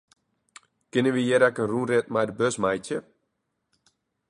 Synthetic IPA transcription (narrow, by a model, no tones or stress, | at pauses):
kɪnəʋijɛɾɛkənrunrɪt̚majdəbøsmajtjə